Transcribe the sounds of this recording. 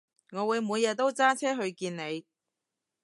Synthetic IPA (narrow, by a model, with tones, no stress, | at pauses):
ŋɔː˨˧wuː˨˧jmu˨˧jːɛː˨˧t̪o˥wt͡saː˥t͡sʰɛː˥ɦɵ˧ɥkiː˧nne˨˧j